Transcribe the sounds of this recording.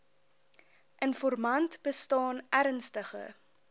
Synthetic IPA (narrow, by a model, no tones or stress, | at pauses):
ʔənfɔrmɐntb̥əstɑːnæɾənstəχə̰